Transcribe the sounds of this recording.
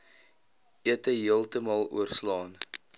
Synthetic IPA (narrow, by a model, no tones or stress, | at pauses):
iətəɦiəlˠtəmɑːlˠṵərslɑːn